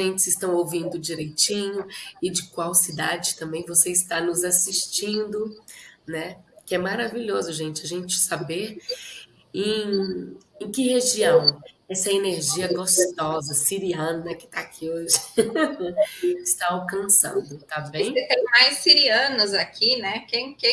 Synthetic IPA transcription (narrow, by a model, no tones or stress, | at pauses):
ʒẽnt͡ʃɪzɪst̪ɐ̃w̃owvĩnd̪ʊd͡ʒiɾejt͡ʃĩɲʊɪd͡ʒɪkwawsid̪ad͡ʒɪt̪ɐ̃mbẽj̃voseɪst̪anʊzasiʃt͡ʃĩnd̪ʊnɛkɪɛmaɾaviʎozʊʒẽt͡ʃɪɐʒẽt͡ʃɪ̥sabeɾ | ẽ | ẽkɪheʒiɐ̃w̃ɛsɐeneɾʒiɐɡost̪ɔzɐsiɾiɐ̃nɐɛkɪ̥t̪aakʰioʒɪ | ɪst̪aawkɐ̃sɐ̰̃d̪ʊt̪abẽjj̃set̪ẽj̃majsːiɾiɐ̃nʊzakʰinɛkẽj̃kẽ